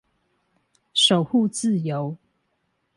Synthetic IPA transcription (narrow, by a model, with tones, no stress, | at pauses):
ʃo˨˩ʊxu˥˨t͡sɹ̩˥˨jo˨˦ʊ